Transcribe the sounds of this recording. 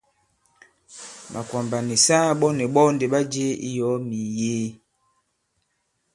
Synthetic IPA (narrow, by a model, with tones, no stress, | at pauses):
mʔa˨kwa˨mba˨ni˨saː˦ɓɔ˦nɛ˨ɓɔ˦nde˨ɓa˦d͡ʒe˦ḭ˦jɔ˨˦mi˨jeː˦